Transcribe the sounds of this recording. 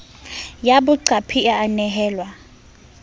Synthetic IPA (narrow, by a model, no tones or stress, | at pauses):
jaɓuǀapʰiaːnɛɦɛːlwa